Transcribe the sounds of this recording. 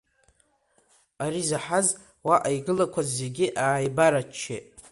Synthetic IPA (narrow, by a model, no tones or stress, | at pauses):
aɾizaħaz | waʔajɡɨlakʷʰazːe̞ɡʲɪʔaːjbaɾat͡ʃʰːḛ